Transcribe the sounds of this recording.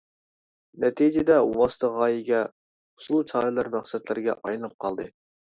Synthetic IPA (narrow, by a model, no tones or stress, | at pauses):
nɛt̪ʰid͡ʒɪd̪ɛuwɑsɨ̥t̪ʰəʁɑːjiɡʲɛ | ʊ̥slˠut͡ʃʰɑːɾɨlˠɑɾmæχsɛt̪lɪɾɡʲɛ̰ʔɑjnɨnɨp̚qʰɑlˠd̪ɨ